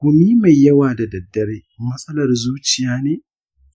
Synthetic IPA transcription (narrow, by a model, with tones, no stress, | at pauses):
kʷʊ˨miː˦ma˨jːɐ˦waː˨da˨dɐ˨dːɐ˦ɾeː˦mɐ˦sʼɐ˦lɐ˨rzuː˦t͡ʃɪ˨jaː˦neː˨